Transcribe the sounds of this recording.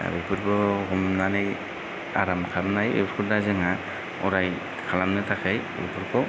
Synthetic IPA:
bupʰɯɾbɔhumnanaj | a̰ɾamkʰamnajḛbɾkʰɔdazɯŋa | ɔ̰ɾaj | kʰalamnɯtʰakʰajbṵpʰɯɾkʰɔ

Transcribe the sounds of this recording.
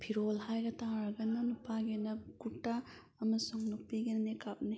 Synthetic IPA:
pʰiɾolɦajɡɐtaɾɐɡɐnɐnupaɡenɐɡutːa | ɐmɐsuŋnuk̚piɡennekap̚ni

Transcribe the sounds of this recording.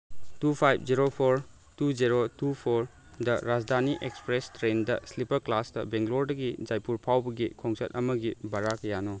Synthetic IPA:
tupʰajb̚ʰd͡ʒiɾopʰoɾ | tud͡ʒiɾotupʰoɾ | dɐɾad͡ʒdʱaniʔekspɾestɾendɐslipɐɾklasdɐbeŋɡloɾdɐɡid͡ʒajpuɾpʰawbɐɡikʰoŋsɐtɐmɐɡibaɾakɐjanɔ

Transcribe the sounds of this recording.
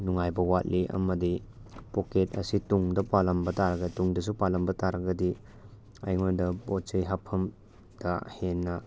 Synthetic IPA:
nuŋajbɐwat̚lʔiʔɐ̰mɐdipoket̚ɐ̰situŋdɐpalɐmbɐtaɾɐɡɐtuŋdɐs̬upalɐmbɐtaɾɐɡɐdi | a̰jŋadɐbott͡ʃɐjɦapʰɐm | d̥ɐhenːɐ

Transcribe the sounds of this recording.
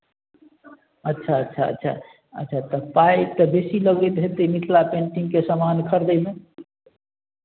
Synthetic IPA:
ətːʃʰaətːʃʰaə̰tːʃʰa̰ | ə̰tːʃʰat̪əpajt̪əbesiləɡet̪̚bʱet̪əmiʈ̪ʰlapeɳʈiŋkesəmankʰəɾd̪əme

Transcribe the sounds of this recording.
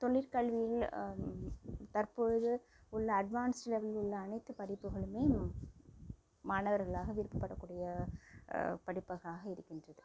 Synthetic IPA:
t̪ɔɭːɪɾkɐɭʋɪjɪl | t̪ɐrpɔɻɯðɯ | ʊɭːɐːɖʋaːnslɛʋɐlʊɭːɐːnɐɪt̪ːɯpɐɽɪpːɯɣɐɭɯmeː | maːnɐʋɐɾɣɐɭaːɣɐʋɪɾɯpːɯpːɐɽɐkːuːɽɪjɐ | pɐɽɪpːɐɣaːɣɐɪɾɯkːɪndrɐðɯ

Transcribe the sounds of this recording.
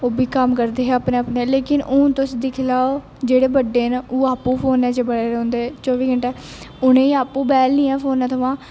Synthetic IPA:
oːbʱiːkəmkəɾd̪eːɦɛːaːpnẽːəpneːleːkɪnõːt̪ʊsid̪ɪkʰɪlaːo | d͡ʒeːɽeːbəɖːeːnoːaːpũːpʰoːnɛːd͡ʒeːbəɽeːɾɛ̃ːʊnd̪eːt͡ʃɔːʋiːɡəɳʈɛː | ʊnẽːiaːpũːbɛːlnĩːɛːpʰoːnɛ̃ːt̪ʰəʋãː

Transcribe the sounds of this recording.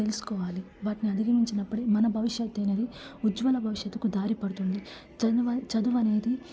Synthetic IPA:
elusu̥kɔːʋaːli | ʋaːʈiniɐd̪iɡɐmiɲt͡ʃinɐpːuɽimɐnɐbʱɐʋiʃjɐt̪ːenɐd̪iud͡ʒʋɐlɐbʱɐʋiʂjɐt̪ːu̥kud̪aːɾipɐɽut̪und̪i | t͡ʃɐd̪uʋɐne̞ːd̪i

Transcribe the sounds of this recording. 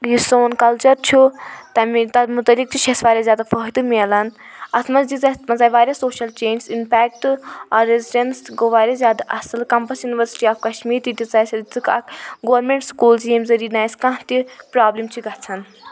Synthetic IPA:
jisoːnkɐlt͡ʃɐɾt͡ʃʰut̪ɐmit̪ɐmut̪ɐlik̚t͡ʃʰit͡ʃʰɐsʋaːɾʲjazʲjaːd̪afɐːɦid̪ɨmiɐlɐnɐsmɐzd͡ʒizɐt̪mɐzaːʋaːɾʲjasoːʃɐlt͡ʃeːnsimpɛːk̚ʈaːɾːeziɖɐnsɡoʋaːɾʲjazʲjaːd̪aʔɐsɨlkɐmpɐsjuniʋɐɾsi̥ʈiaːfkɐʃmiːɾt̪it̪ʲizaːsʲɐd̪it͡sɨkɐ̰kɡoʋɾmẽɳʈskuːlzjemzɐɾiːnaːjskãɦt̪ipɾaːblimt͡ʃʰiɡɐt͡sʰɐn

